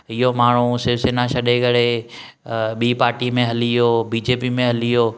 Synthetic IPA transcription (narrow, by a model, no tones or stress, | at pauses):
ɪɦomaːɳ̤̃usɪɾʋsenãʃɐɗekɐɽe | ɓiːpaːɾʈimẽɦɐlijobiːd͡ʑeːpimẽɦɐlijoː